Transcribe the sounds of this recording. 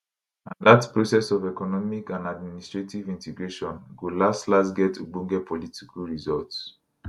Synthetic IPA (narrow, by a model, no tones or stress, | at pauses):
ãnðatpɹosɛsɔvɛkɔnɔmikãnadministɹetivĩntɛɡɹeʃɔ̃nɡulastlasɡɛtʰːubũŋɡɛpʰɔlitikʰalɹizɔlts